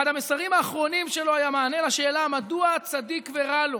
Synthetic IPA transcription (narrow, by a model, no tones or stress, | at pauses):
ad̪hamesaʁimaːχʁo̞nimʃe̞lo̞ajamaːne̞laʃe̞ːlamad̪uat͡sad̪ikveʁalo